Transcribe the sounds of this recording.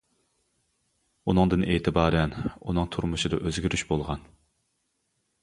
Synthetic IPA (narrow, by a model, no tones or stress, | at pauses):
unɨŋd̪ɨnʔeːt̪ʰɪbɑːɾɛnunɨŋt̪ʰuɾmuʃɨd̪ɑʔøzɡʲyɾyʃbolˠʁɑn